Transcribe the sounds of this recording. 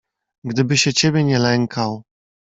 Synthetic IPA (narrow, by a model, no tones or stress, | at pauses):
ɡd̪ɘbɘɕɛt͡ɕɛbʲjɛɲɛlɛŋkʰaw